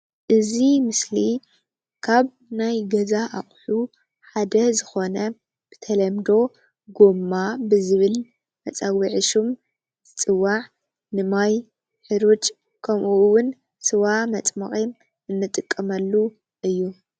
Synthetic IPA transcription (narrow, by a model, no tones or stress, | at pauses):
ʔɨzimɨsli | kʰaβ | najɡɐzaʔaχʼħu | ħad̪ɐzɨxo̞nɐ | b̥ɨ̥t̪ʰɐlɐmd̪o̞ | ɡo̞mːabɨzɨβɨl | mɐt͡sʼawiʕɨʃum | t̪ʰɨt͡sʼɨwːaʕ | nɨmaj | ħɨɾot͡ʃʼ | kʰɐmʔuwʊn | sɨwamɐt͡sʼmɐ̰χʼim | ɨnːɨt̪ʼɨkʼːɐmɐlːu | ʔɨjːu